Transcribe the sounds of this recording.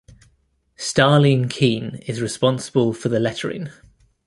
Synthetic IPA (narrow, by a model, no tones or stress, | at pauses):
stɑːlɪ̃nkʰĩːnɪzɹɪspɒ̃nsəbəlˠfəðəlɛtʰəɹɪ̰̃ŋ